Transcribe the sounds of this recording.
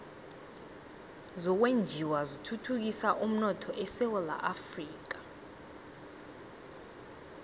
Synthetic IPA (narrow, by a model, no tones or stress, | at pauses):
zɔk̬wend͡ʒʱiwazitʰutʰuk̬isaʔum̩nɔtʰɔʔɛsɛwɛla̰ʔafriːk̬ḁ